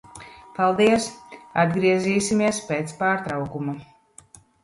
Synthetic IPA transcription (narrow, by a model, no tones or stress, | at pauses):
palˠd̪iɛsad̪ɡɾiɛziːsimiɛspet̪spaːɾt̪ɾawkuma